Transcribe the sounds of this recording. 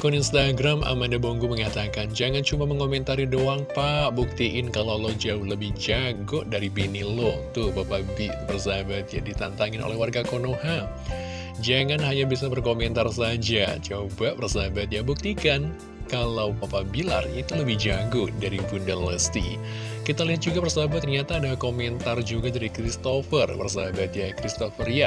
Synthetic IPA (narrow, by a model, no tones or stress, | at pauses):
kɔninst̪aɡɾama̰mandaboŋɡuməŋat̪akand͡ʒaŋant͡ʃumaməŋomɛnt̪aɾidoaŋpaʔbuk̚t̪iʔɪnkalawlɔd͡ʒauhləbɪhd͡ʒaɡʊʔdaɾibinilɔt̪ubapabibərsaabat̪̚jadit̪a̰nt̪aŋɪnʔo̰lɛhwarɡakonoha | d͡ʒaŋanɦaɲabisabərkomɛnt̪arsad͡ʒat͡ʃobapərsaɦabat̪̚jabuk̚t̪ikan | kalawpapabila̰rit̪uləbɪhd͡ʒaɡʊdaɾibundələst̪ḭ | kit̪aliɦat̪̚d͡ʒuɡapərsaɦabat̪ːərɲat̪aːdalhkomɛnt̪ard͡ʒuɡadaɾikɾist̪ofərpə̰rs̬a̰abat̪jakɾist̪ofərja